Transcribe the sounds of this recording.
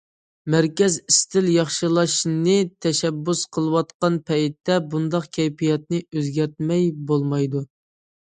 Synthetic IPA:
mæɾkʲɛzist̪ʰɪljɑχʃɨlˠɑʃnɨt̪ʰɛʃɛbːusqʰəlˠɨwɑt̪qɑnpʰɛjt̪ːɛbund̪ɑqkʲʰɛjpijɛt̪̚nɨøzɡʲæɾt̪̚mɛjbolˠmɑjd̪u

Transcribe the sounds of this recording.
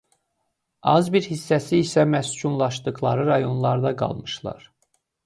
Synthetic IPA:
ɑzbiɾhisːæsiːsæmæscʰunlˠɑʃd̪ɯɣlˠɑ̰ɾɯɾɑjo̞nlˠɑɾd̪ɑɡɑ̰lˠmɯʃlˠɑ̰ɾ

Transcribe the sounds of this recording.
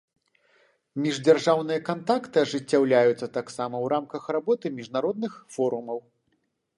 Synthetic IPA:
mʲiʐd͡zʲarʐawnɨjɐkant̪akt̪ɨɐʐɨt͡sʲːawlʲajut̪sːɐt̪aksamɐwɾamkɐxrabɔt̪ɨmʲiʐnaɾɔd̪nɨxfɔɾumɐw

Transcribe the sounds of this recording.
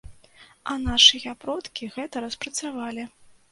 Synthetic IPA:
ɐnaʂɨjɐpɾɔt̪kʲiɣɛt̪ɐɾɐspɾɐt̪savalʲi

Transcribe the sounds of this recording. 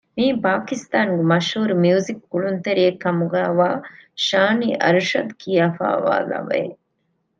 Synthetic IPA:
miːpaːkist̪aːŋɡemɐʃɦuːɾumiuzikːuɭunt̪eɾijekːɐmuɡæːʋaːʃaːniːʔɐɾuʃɐd̪kʰijaːfa̰ːʋa̰ːlɐ̰bḛ

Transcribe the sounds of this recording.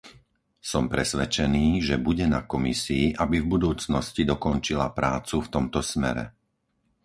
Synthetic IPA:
sɔmpɾɛsʋɛt͡ʃɛniːʒɛbuɟɛnakɔmisiːʔabivbud̪uːt͡snɔscid̪ɔkɔnt͡ʃilapɾaːt͡suft̪ɔmt̪ɔsmɛ̰ɾɛ̰

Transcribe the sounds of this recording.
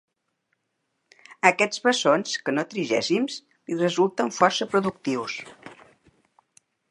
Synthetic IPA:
əkɛd͡zβəsonskənot̪ɾiʒɛ̰simz | lirəzulˠt̪əɱfɔrsəpɾuðuk̚t̪iws

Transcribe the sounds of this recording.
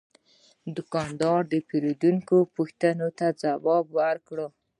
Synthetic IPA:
d̪ʊkɑnd̪ɑɾd̪əpeɾod̪uŋkopuxt̪anot̪ad͡zawɑbwaɾkɽə

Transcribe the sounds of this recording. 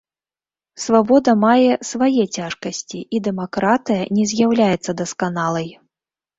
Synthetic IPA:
svabɔd̪ɐmajɛsvajɛt͡sʲaʂkɐsʲt͡sʲiʔid̪ɛmakɾat̪ɨjɐnʲɛzʲjawlʲajɛt̪sːɐd̪ɐskanalˠɐj

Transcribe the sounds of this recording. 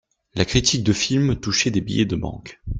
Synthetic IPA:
lakχit̪ʰik̚d̪əfilmt̪uʃed̪ebḭjɛ̰d̪əbɑ̰̃k

